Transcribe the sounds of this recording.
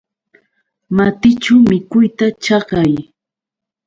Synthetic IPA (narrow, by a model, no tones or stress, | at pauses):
mat̪ɪt͡ʃamɪkʊjt̪at͡ʃɑɢɑj